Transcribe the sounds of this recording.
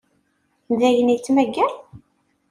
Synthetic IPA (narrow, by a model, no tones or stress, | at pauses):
nd̪æjənit͡sːmæɡːæɾ